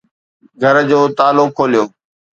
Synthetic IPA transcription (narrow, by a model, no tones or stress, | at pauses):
ɡʱəɾd͡ʑoːt̪aːlokʰːoːlijoː